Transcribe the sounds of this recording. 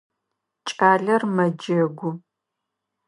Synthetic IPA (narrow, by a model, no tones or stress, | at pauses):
t͡ʃʼaːɮɐrmɐd͡ʒɐɡʷʊ